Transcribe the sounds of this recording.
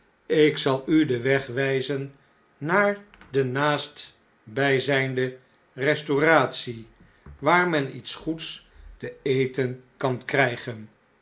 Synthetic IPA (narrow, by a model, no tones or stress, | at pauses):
ɪksɑlˠydəʋɛχʋɛjzənː | aːɹdənaːst | bɛjzɛjndə | rɛstoraːtsi | ʋaːɹmɛnḭtsχuts | təejtənkɑnkrɛjχən